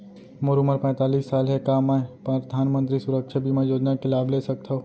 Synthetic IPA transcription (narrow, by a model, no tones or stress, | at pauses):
moɾʊməɾpɛ̃ːt̪aːliːsːaːlɦɛkamɛ̃pəd̪ʱaːnmə̃nt̪̬ɾisʊɾəkʃabʱimɐ̃joːd͡ʒ̪nakelaːbleːsɐk̚t̪aoː